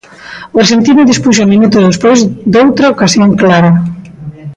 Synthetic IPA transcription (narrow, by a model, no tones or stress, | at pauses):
esent̪iðʊðispuʃ̬omĩnut̪uðespojzd̪owt̪ɾaokasjoŋklaɾɐ